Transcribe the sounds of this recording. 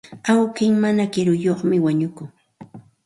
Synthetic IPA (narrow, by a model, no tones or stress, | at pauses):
awkɪŋmanakɪɾʊjoχmɪwaɲʊkʊŋ